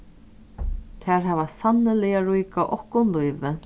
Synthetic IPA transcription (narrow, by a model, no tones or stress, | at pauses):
t̪ʰɛɾɦɛːvasanːɪlɛjaɾujkaʔɔhkʊnlujvɪ